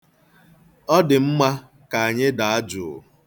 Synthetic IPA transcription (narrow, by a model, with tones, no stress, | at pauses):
ɔ˦dɪ˨m̩˦ma˦ | ka˨a˨ɲɪ˦da˨a˦d͡ʒʊ̰˨